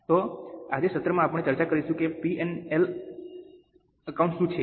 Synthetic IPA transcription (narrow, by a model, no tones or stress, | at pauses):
t̪oad͡ʒesət̪ɾəmãapəɳːet͡ʃəɾt͡ʃakəɾiʃũkepienel | əkauɳʈʃũt͡ʃʰe